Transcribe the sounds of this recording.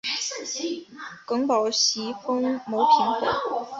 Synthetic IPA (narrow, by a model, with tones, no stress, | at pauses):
kɤ˧˥ŋpɑ˨˩ʊɕi˧˥fɤ˥ŋmo˧˥ʊpʰi˧˥ŋxə̰˨˩˦